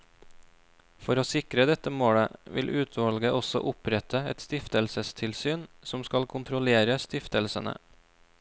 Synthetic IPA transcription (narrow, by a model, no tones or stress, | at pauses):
fɔɾoːsɪkɾəd̪ɛt̪əmoːɽəʋɪ̰lʔʉːt̪ʰʋɑlɡəʔɔsɔ̰ʔʊpɾɛt̪ʰəɛ̰t̪st̪ɪft̪əlsəst̪ʰɪlsyːnsɔmskɑlkʰʊnt̪ʰɾʊleːɾəst̪ɪft̪əlsənə̰